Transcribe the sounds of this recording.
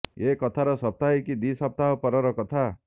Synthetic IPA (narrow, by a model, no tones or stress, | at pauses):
ekɔt̪ʰaɾɔsɔp̚t̪aɦekid̪isɔp̚t̪aɦɔpɔɾɔɾɔkɔt̪ʰa